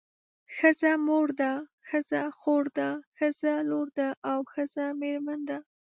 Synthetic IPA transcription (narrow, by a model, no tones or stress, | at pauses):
xəzamoɾd̪a | xəzaxoɾd̪axəzaloɾd̪aʔawxəzameɾmand̪a